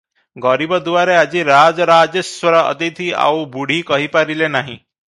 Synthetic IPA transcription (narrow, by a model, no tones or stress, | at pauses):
ɡɔɾibɔd̪uʋaɾead͡ʒiɾad͡ʒɔɾad͡ʒeswɔɾɔɔ̰t̪it̪ʰia̰wbuɽ̤ikɔɦipaɾilenaɦḭ̃